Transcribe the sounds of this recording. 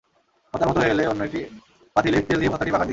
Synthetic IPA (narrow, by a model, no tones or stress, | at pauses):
ɔt̪aɾmɦɔt̪oɦeleonːoeʈi | pat̪ʰilekt̪eld̪ipɔt̪ːaʈibakat̪i